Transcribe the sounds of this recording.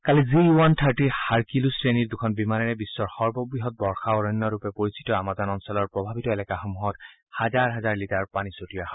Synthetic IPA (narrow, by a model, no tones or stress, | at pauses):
kaliziuwantʰaɹtihaɹkilusɹeniɹd̪ukʰɔnbimanɛɹɛbisːɔɹxɔɹbɔbɹiɦɔt̚bɔɹxaɔɹɔnːɔɹupɛpoɹisi̥tɔamazɔnɔnsɔlɔɹpɹɔbʱabitɔelɛkaxɔmuɦɔt | hazaɹɦazaɹlitaɹpanisotijaha